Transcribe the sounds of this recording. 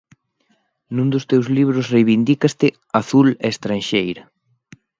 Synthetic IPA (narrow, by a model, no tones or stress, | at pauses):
nũnd̪ʊst̪ewzliβ̞ɾʊsrejβind̪ikast̪ɪ | aθulest̪ɾanʃejɾɐ